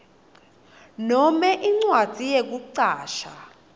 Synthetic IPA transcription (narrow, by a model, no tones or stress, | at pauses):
nɔmɛʔiŋ͡ǀwḁd͡z̥ʱijek̬uǀaːʃa